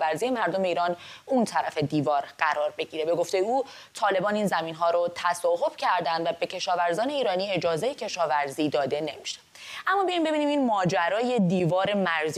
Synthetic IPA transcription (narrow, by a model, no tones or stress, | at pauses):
væɾziːje̞mæɾd̪o̞me̞iːɾɒːnunt̪ʰæɾæfe̞d̪iːvɒːɾɢæɾɒːɾbe̞ɟiːɾe̞be̞ɡo̞ft̪e̞je̞uː | t̪ʰɒːle̞bɒːniːnzæmiːnɦɒːɾot̪ʰæsɒːɦo̞b̥cʰæɾd̪ænd̪væbe̞cʰe̞ʃɒːvæɾzɒːne̞iːɾɒːniːe̞d͡ʒɒːze̞je̞cʰe̞ʃɒːvæɾziːd̪ɒːd̪e̞ne̞miʃe̥ | ʔæmːɒːbijɒjmbe̞biniːminmɒːd͡ʒæɾɒːje̞d̪iːvɒːɾe̞mæɾz